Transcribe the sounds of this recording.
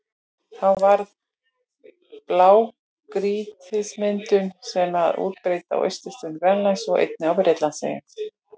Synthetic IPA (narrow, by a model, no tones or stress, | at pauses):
θawvaɾð | plaːw | kɾiːt̪ʰɪsmɪnt̪ʏnsɛmaðṵːt̪̚pɾeːjt̪a̰wʔœ̰jst̪ɪst̪ʏnvɛnlajsɔɣḛjt̪̚nɪawpɾet̪lansḛjɪ̰n